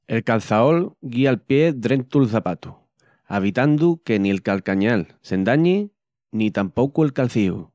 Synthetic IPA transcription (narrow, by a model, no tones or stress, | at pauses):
e̞lkalθao̞lɡialpje̞d̪ɾe̞nt̪ulθapat̪u̥ | aβ̞it̪and̪uke̞nielkalkaɲalse̞nd̪aɲe | nit̪ampo̞kuelkalθihṵ